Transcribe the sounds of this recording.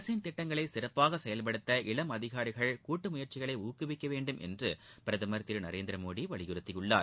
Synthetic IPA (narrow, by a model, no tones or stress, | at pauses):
sint̪ɪʈːɐŋɡɐɭɐɪsɪrɐpːaːɣɐsɛjɐlpɐɽɯt̪ːɐʔɪɭɐmɐðɪɣaːɾɪɣɐɭkuːʈːɯmʊjɐɾt͡ʃɪɣɐɭɐɪuːkɯʋɪkːɐʋeːɳɖɯmʔɛ̰ndrɯpɪɾɐðɯmɐɾt̪ːɪɾnɐɾeːnd̪ɪɾɐmoːɽiʋɐɭɪjɪɾɯt̪ːɪjɯɭːa̰ːɾ